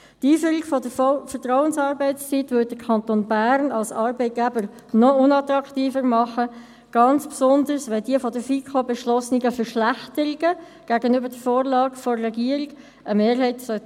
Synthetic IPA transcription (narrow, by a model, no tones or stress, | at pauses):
tiːfyːɾiɡ̥fɔdəffəɾtʁɔʊənsɑːɾbɛɪtst͡sitʋʏt̚dəkʰɑnt̪oːnbæːɾnɑlsɑːɾbɛɪt̚ɡ̥æbəɾnɔʊnɑtʁɑktiːfəɾmɑχə | ɡ̥ɑnt͡spsʊnd̪əɾsʋɛldiəfɔdəfikʰobɛʃlɔsnɪɡəfəɾʃlæχtəɾiɡə | ɡ̥æːɡənøbədəfoːɾlɑːɡ̥fɔːɛɡiəɾiɡ̥ | ʔəmeːɾɦɛɪtsœ